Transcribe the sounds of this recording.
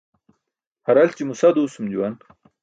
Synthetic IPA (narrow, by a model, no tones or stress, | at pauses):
haɾalt͡ɕimusad̪usumd͡ʑuwan